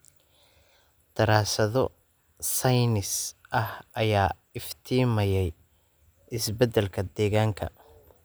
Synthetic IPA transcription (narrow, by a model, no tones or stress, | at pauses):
d̪̥ɐɾaːsɐðɔ | sɐjnɪsʔɐhʔɐjaː | ɪft̪ʰiːmɐjɛj | ʔɪsbɛd̪ɛlkʰɐd̪ɛːɣaːŋkʰɐ̰